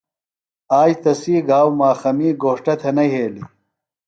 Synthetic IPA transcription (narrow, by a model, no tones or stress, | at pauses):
aːjt̪ɐsiːɡaːwmaːxɐmiːɡoːʂʈɐt̪ʰɐnɐɦeːli